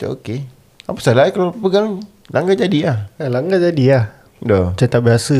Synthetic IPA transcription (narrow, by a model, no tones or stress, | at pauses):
t͡ʃa̰o̰ke | apəsalaikalapəɡaŋ | lʔaŋɡad͡ʒadiahalaŋɡad͡ʒadiah | dɔt͡ʃət̪abiɦasə